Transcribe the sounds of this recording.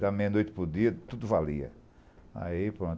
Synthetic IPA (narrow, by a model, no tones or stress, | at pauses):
amejɐnojt̪ɪ̥pʊɾd̪iɐt̪ud̪ʊvaliɐ̰ | a̰ipɾõn